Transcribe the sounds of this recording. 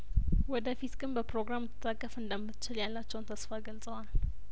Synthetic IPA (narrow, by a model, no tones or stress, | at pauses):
wɔd̪əfit̪ɡɨnbəpɾoɡɾamt̪ʰːɨt̪ʰʼːakʼːəfɨnd̪əmːɨt͡ʃːɪljalːat͡ʃːɛwnt̪ʰəsfaɡəlt͡sʼəwal